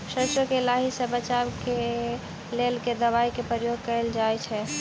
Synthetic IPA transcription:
ʃəsəkelaɦisəbət͡ʃabke | lelked̪əβaikepɾəjoɡ̚kəeld͡ʒajt͡ʃʰɛ

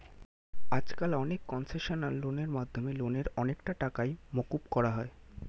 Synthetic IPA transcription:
ad͡ʑkalɔnekːɔnseʃonalːoneɾmad̪ʱːomeloneɾɔnekʈaʈakajmokupkɔɾaɦɔe

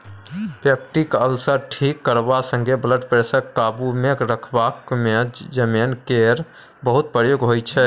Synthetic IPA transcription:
pep̚ʈikəlsəɾʈʰikːəɾbasə̃ŋɡʱebləʈpɾesəkːabumekɾəkʰbakmed͡ʒəmenkeɾ | bəɦut̪̚pɾəjoɡɦojt͡ʃʰɛ

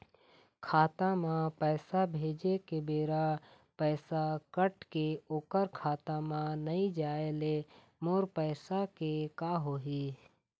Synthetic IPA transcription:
kʰaːt̪amãpɛːsabʱeːd͡ʒekebeːɾa | pɛːsakəʈkeoːkəɾkʰaːt̪amãnəĩd͡ʒaːele | moːɾpəːsakekaɦoːɦiː

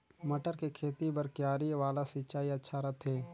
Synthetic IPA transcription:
mɐʈəɾkekʰeːt̪ibɐɾkjaːɾiʋaːlasit͡ʃaːiɐtːʃʰaɾɐt̪ʰɦeː

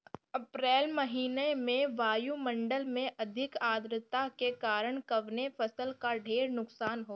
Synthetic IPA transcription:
ɐpɾɛːlmɐɦiːnemẽʋaːjumɐ̃ɳɖəlmẽʔɐd̪ʱɪkaːd̪ɾɪt̪akekaːɾəɽ̃kɐʋnefɐsəlkaɖʱeːɾnʊksaːnɦoː

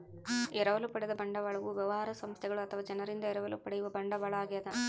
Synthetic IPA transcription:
ɛɾɐʋɐlɯpːɐɽɐðɐbɐɳɖɐʋaːɭɐʋuʋɛʋaːɐɾɐsɐmst̪ʰjɐɡɐɭɐt̪ʰɐʋaːd͡ʒɐnɐɾɪnd̪ɐɛɾɐʋɐlṵpːɐɽɐjɯʋɐbɐɳɖɐʋaːɭaːɣijɐd̪ɐ

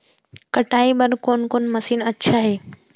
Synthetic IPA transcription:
kɐʈaːiɓɐɾkoːnkoːnmɐsiːnɐtːʃʰaɦeː

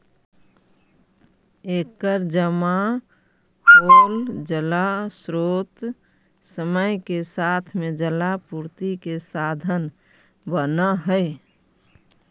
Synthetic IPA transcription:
ekəɾd͡ʒəma | hold͡ʒəlasɾoːt̪ | səməjkesat̪ʰmed͡ʒəlapuɾt̪ikesad̪ʱən | bənəɦəɪ

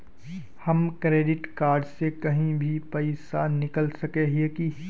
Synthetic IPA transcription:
hɐmkɾeːɖɪʈkaːɾɖsekɐɦĩbʱipɐɪsanɪkəlsɐkeɦeki

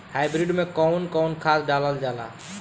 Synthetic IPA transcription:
haːjbɾiɖmẽkɔʊnkɔʊnkʰat̪ɖaləld͡ʒala̰ː

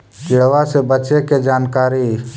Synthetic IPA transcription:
kɪɽʋasebət͡ʃeked͡ʒaːnkaːɾi

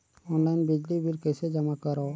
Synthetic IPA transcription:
ɔnlajnbid͡ʒlibʱiɾkesed͡ʒamakɔɾɔ

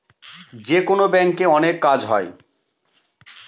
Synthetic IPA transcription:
d͡ʑekonobɛŋkeɔnekːad͡ʑɦɔe

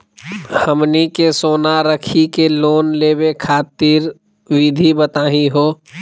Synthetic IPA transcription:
həmnikesoːnaɾəkʰikeloːnleːbekʰaːt̪iːɾ | ʋid̪ʱibət̪aːɦĩɦoː

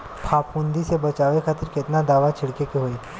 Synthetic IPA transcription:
pʰaːpʰũːnd̪isebɐt͡ʃaːʋekʰaːt̪əɾkɪt̪nad̪aːʋat͡ʃʰɪɽkekeɦoeː

